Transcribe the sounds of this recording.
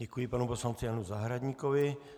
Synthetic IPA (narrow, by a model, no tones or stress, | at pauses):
ɛkujɪpanuposlant͡sɪjanuzaɦɾad̪ɲikovɪ